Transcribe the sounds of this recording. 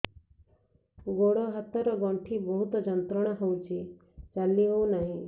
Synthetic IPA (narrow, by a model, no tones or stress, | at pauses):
ɡoɽɔɦat̪ɔɾɔɡɔɳʈʰibɔɦut̪ɔd͡ʒɔnt̪ɾɔɽ̃ɔɦowt͡ʃʰi | t͡ʃaliɦownaɦĩ